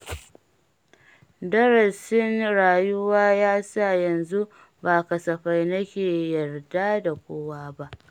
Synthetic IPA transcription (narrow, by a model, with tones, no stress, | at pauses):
dɐ˦ɾɐ˨sɪ˦nɽaː˨jʊ˦waː˦jaː˦sa˦˨jɐ˨nzu˦ | baː˨kɐ˨sɐ˨ɸa˦jnɐ˦kʲeː˨jɐ˨rda˦da˨kʷoː˦waː˦ba˦ʔ